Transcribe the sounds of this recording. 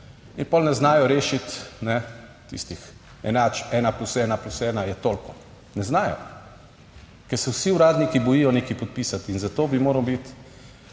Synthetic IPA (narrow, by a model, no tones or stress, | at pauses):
inpɔlnɛznaːjɔɾeːʃit̪nɛt̪ḭst̪ix | ɛnat͡ʃɛːnaplusɛːnaplusɛːnajɛt̪olkɔ | nɛznaːjɔ̰ | kɛɾsɛwsiuɾaːd̪nikibɔjiːjɔnekipɔt̪̚pisat̪inzat̪oːbimoːɾawbit̪